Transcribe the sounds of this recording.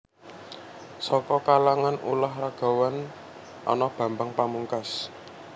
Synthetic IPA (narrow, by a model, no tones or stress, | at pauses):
sɔkɔkalaŋanṵlahraɡ̥a̤wan | ʔɔ̰nɔb̥ä̤mbaŋpamuŋkas